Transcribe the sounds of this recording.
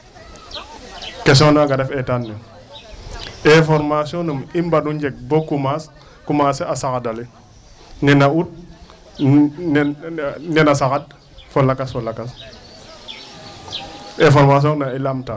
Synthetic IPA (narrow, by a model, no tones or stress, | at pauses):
kes̬ɔnuaɡadɛfetanːu | efɔɾmasonumimbaduɲd͡ʒek̚bokumas | kumaseasakadali | nɛnaut̚ | nenasakad̚ | folakasfolakas | efoɾmas̬oŋnailamta